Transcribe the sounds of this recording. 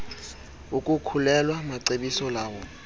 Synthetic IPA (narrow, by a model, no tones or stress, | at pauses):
ukʼukʰulɛlwamaǀeɓisɔlaːwɔ